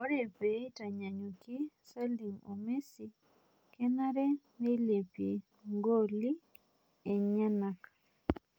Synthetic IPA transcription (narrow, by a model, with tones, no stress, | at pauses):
ɔ˦ɾɛ˨pe˨i˦ta˨ɲa˨ɲo˨ki˦sa˦li˨mo̰˨me˦si˦ | kɛ˦na˦ɾɛ˦ | ne˦le˨pje˨ | ŋɡo˦li˦ | e˨ɲa˦na˨ka